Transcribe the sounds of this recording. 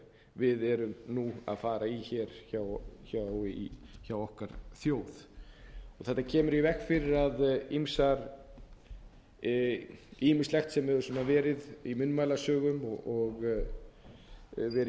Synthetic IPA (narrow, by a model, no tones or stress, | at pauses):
vɪðɛɾʏmnua̰ðfaːɾaiçɛɾ̥çawçawiçawɔhkaɾ̥θjoːwð̥ | ɔɣθɛht̪acʰɛːmʏɾivɛxkfɪɾɪɾaðimsaɾ | imɪst̪lɛxt̪sɛmɛɾvʏsɔnavɛːɾɪðimʏnːmaːjlasœːɣʏmɔɔɣ | vɛɾ